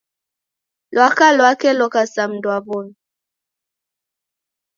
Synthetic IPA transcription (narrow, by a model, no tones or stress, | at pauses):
lwakalwakɛlɔkasam̩dwabɔn